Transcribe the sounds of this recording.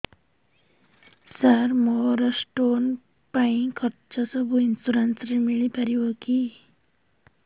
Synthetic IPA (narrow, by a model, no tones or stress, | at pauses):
saɾmɔɾəsʈon | paĩkʰəɾt͡ʃasəbʱuinsuɾansɾimiɭipəɾiʋoki